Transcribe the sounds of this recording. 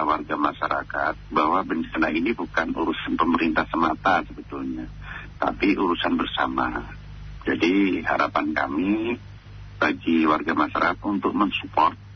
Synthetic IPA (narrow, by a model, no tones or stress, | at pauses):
awarɡamaʃaɾa̰kat̪̚bahwabəndəkənainibukanuɾusanpəməɾint̪ahsəmat̪asəbət̪ulɲa | t̪a̰piʔuɾusanbərsa̰ma̰ | d͡ʒadiɦa̰ɾapanka̰mi | b̥aɡiwarɡamaʃaɾa̰kat̪unt̪ʊk̚məŋsu̥pɔrt̪̚